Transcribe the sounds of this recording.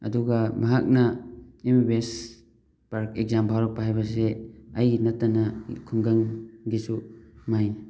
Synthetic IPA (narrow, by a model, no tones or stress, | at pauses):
ɐ̰duɡamaɦak̚naembes | paɾkekzambʱaɾɔk̚paɦajbas̬eɐjnatːanakʰuŋɡaŋɡisumajna